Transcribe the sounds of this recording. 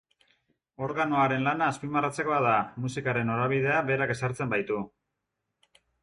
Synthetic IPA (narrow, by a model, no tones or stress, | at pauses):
o̞ɾɣano̞aɾe̞nlanaːspimarat͡se̞ko̞aðamusikaɾe̞no̞ɾaβ̞ið̞e̞aβe̞ɾake̞saɾt͡se̞mbajt̪u